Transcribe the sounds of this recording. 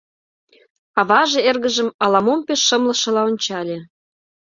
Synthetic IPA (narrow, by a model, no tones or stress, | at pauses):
ɑβɑʒĕerɣə̆ʒə̆mɑlɑmompeʃːə̆mlə̆ʃɤ̆lɑonʲt͡ɕɑlʲe